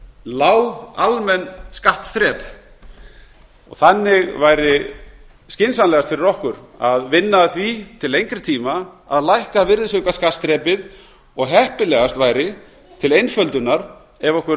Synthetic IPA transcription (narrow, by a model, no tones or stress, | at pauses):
laːwa̰wlmɛnːskaht̪θɾɛːp | ɔ̰ɣθanːɪɣvajɾɪ | scɪnsanlɛɣat̪fɪɾɪɾɔhkʏɾaðvɪnːaθvit̪ʰɪlejŋkɾɪt̪ʰiːmaa̰ðlajhkavɪɾðɪsœɥkaskast̪ɾɛːpɪð | ɔɣɦɛhpɪlɛɣast̪vajɾɪ | t̪ʰɪlejnfœlt̪ʏnaɾ̥ | ɛvɔhkvɛɾ